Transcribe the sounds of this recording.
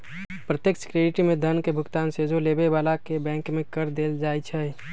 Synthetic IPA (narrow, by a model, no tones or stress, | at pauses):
pɾət̪jəksə̥kɾeːɖɪʈimẽd̪ʱənkebʱʊkt̪aːnsed͡ʒoleːbebaːlakebɛ̃ːŋkmẽkəɾd̪eːld͡ʒaːit͡ʃʰɛ